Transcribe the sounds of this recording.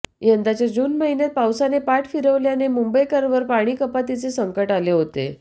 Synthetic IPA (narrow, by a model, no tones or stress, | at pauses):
jənd̪at͡ɕjad͡ʑuːnməɦinjat̪̚pawsanepaʈfiɾəʋljanemumbəjkəɾʋəɾpaɽ̃iːkəpat̪it͡sesəŋkəʈaleɦot̪ḛ